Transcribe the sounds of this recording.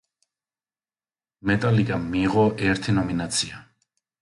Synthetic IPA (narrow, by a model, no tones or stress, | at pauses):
mɛt̪ʼalikʼamːiːʁɔʔɛɾt̪ʰinɔminat̪sʰia